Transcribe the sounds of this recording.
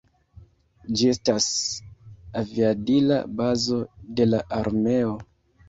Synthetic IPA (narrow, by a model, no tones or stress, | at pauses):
d͡ʒie̞stas | aviabila̰bazo̞de̞laʔaɾme̞o̞